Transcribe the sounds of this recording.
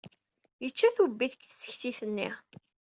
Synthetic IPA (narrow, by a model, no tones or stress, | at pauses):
jət͡ʃːæθubːiθə̥kθə̥sːə̥çθiθənːḭ